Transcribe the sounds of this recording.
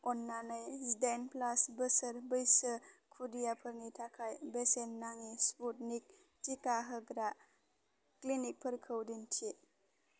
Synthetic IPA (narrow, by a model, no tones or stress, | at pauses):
ɔnːanajsdenplasbəsəɾbəjsəkʰudijapʰəɾnitʰakʰajbesenːaŋisput̚nik̚ | tikaɦəɡɾa | klinik̚pʰəɾkʰəwdintʰi